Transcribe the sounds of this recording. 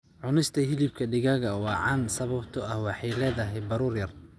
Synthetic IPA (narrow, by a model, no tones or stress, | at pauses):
ʕʊnɪst̪ʰɐɦɪlɪb̚kʰɐɖɪɣɐɣɐwɑːʕɑnsɐβɐbt̪ʰɔɐhwɑħɑjlɛːðɐɦɛjbɐɾuːrjɐr